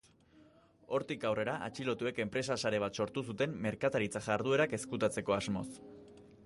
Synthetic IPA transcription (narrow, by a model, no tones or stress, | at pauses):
o̞ɾt̪ikawre̞ɾaʔa̰t͡ʃilo̞t̪ue̞ke̞mpɾe̞sasaɾe̞β̞at̪so̞ɾt̪us̬ut̪e̞mːe̞ɾkat̪aɾit͡saʝaɾð̞ue̞ɾake̞skut̪at͡se̞ko̞azmo̞̰s